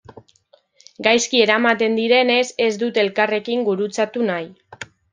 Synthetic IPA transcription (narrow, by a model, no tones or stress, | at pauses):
ɡajskie̞ɾamat̪e̞nd̪iɾe̞ne̞se̞zd̪ut̪e̞lkare̞kiŋɡuɾut͡sat̪unaj